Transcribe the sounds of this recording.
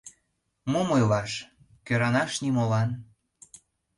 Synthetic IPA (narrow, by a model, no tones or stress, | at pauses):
momojlɑʃ | køɾɑnɑʃnimolɑn